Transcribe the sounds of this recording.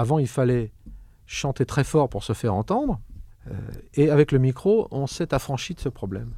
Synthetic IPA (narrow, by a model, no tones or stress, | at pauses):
avɑ̃ilfalɛ | ʃɑ̃t̪et̪χɛfɔʁpuʁsəfɛʁɑ̃t̪ɑ̃d̪ʁø̰eavɛkləmikχoɔ̃sɛt̪afχɑ̃ʃid̪əsəpχɔblɛ̰m